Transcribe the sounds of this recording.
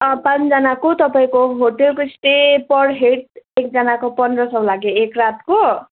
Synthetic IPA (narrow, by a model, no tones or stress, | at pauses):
ʌpãnt͡sd͡zʌnakot̪ʌpaĩkoɦoʈelkoisʈepʌɽɦeʈ̚ek̚d͡zʌnakopʌndrʌsʌw̃laɡjoekrat̪ko